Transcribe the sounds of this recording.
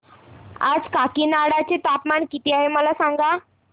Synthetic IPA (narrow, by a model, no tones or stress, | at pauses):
a̰d͡zkakiːnaɽat͡set̪apmaɳkit̪iːaɦeməlasaŋɡa